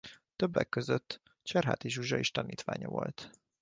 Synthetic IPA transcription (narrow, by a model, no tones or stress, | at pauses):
t̪øbːɛkːøzøt̪ː | t͡ʃɛrɦa̰ːt̪iʒuʒɒiʃt̪ɒniːt̪ʋaːɲɒvo̞lt̪